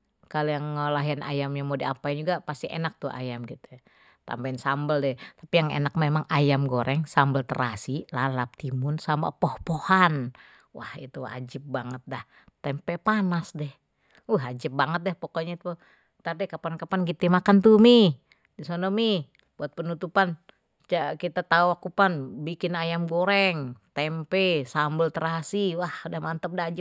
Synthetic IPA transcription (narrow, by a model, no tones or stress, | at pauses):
kalijaŋːəlaɦianʔa̰jamɲamodiapaind͡ʒuɡapast̪iḛnak̚t̪ua̰jamɡit̪u | t̪a̰mbainsambəldɛt̪apijaŋḛnak̚memaŋajamɡoɾʔɛŋsambəlt̪əɾasilalap̚t̪imʊnsama̰pɔhpohan | wʔa̰hḭt̪ua̰d͡ʒɪp̚baŋət̪̚dah | t̪ɛmpɛpanasdɛh | uɦad͡ʒɪp̚baŋət̪̚dɛhpokɔɲait̪u | t̪adɛkapankapanɡit̪imakant̪umi | disonɔmi | buat̪̚pənut̪upan | t͡ʃakit̪at̪auakupanbikɪnajamɡoɾɛŋt̪ɛmpɛsambəlt̪əɾasiwahdahmant̪əp̚daad͡ʒɪp̚